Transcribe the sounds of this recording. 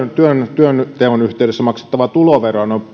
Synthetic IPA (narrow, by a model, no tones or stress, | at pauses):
nt̪yønt̪yønt̪eːonyht̪eˑydesːæmɑkse̥t̪ːɑʋɑt̪uloʋerono